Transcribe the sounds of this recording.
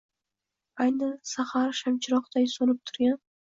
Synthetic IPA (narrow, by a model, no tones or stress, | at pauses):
ajnasaχaɾʃamt͡ʃʰɪɾɒqd̪̥ajsolɪp̚t̪ʰʊɾɡʲan